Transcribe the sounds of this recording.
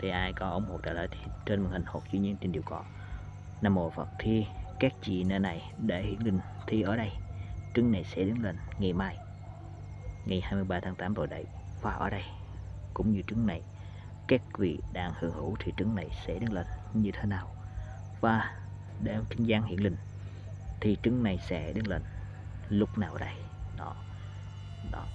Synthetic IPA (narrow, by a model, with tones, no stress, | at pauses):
t̪ʰi˨˩ʔaː˧jkɔ˨˦ʔo˧˦wŋ͡mho˨˩t̪aː˧˩lə̰ː˧˨˦t̪ʰi˨˩t͡ɕe˧nmə˨˩n̚hï˨˩ŋ̟ho˨˩k̚t͡ɕḭ˧ɲi˧ənt͡ɕi˧˩nɗi˨˩wkɔ̰˧˨˦ | naː˧mːo˨˩fə̰˨˩t̚t̪ʰi˧˩kaː˦˥k̚t͡ɕḭ˧˨nə˧˩na˨˩jɗe˧˩hḭ˧˩ənlï˨˩ŋ̟t̪ʰi˧ʔəː˧˩ɗə˧jt͡ɕɨ˨˦ŋna˨˩jsɛ̰˧˥ɗɨ˨˦ŋlə˨˩ŋ̟ŋa˨˩jmaː˧˩j | ŋa˨˩jhaː˧jmɨ˧əjɓaː˧t̪ʰaː˨˦ŋt̪aː˨˦mt̪o˨˩jɗə̰˧˩j | vaː˨˩ʔəː˧˩ɗə˧j | kʊ̰˧˥wŋ͡mɲɨ˧t͡ɕɨ˧˦ŋna˨˩j | kaː˦˥k̚vḭ˧˨ɗaː˧ŋhɨ˧˩əŋhɨ̰˧˩˥wt̪ʰi˨˩t͡ɕɨ˨˧˦ŋna˨˩jsɛ̰˧˥ɗe˨˦nlə˨˩nɲɨ˧t̪ʰe˨˦naː˨˩w | vaː˨˩ | ɗe˧˩mkʰï˧˦ŋ̟zaː˧nhḭ˧˨ənlï˨˩ŋ̟ | t̪ʰi˨˩t͡ɕɨ˨˧˦ŋna˨˩jsɛ̰˧˥ɗe˨˦nlə̰ː˨˩n | lʊ˦˥k͡p̚naː˨˩wʔəː˨˩ɗə˧j | nɔ˨˦ | ɗɔ˨˦